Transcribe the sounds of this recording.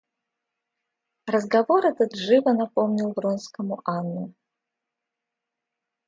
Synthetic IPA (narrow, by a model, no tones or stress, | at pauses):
rəzɡɐvoɾɛt̪əd̪ʐɨvənɐpomnʲilˠvrɔnskəmʊʔanːʊ